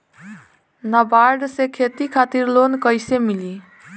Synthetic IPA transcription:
nəbaɾɖsekʰet̪ikʰat̪iɾlonkəjsemili

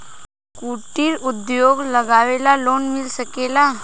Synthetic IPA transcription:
kuːʈiɾʊd̪joːɡləɡaːʋeːlaloːnmɪlsəkeːla

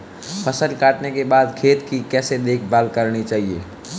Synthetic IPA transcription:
pʰəsəlkaːʈnekebaːd̪kʰeːt̪kikɛːsed̪eːkʰbaːlkəɾnit͡ʃaːɦiḛː

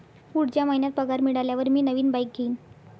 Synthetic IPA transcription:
kuɽt͡ɕjamaɦinjat̪̚pəɡaɾmiɽaljaʋəɾmiːnəʋiːnbajk̚ɡʱeːn

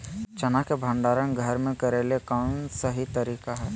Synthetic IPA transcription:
t͡ʃɐnakebʱə̃ɳɖaːɾənɡʱəɾmẽkɐɾeːlekaːnsɐɦit̪ɐɾiːkaɦɛː

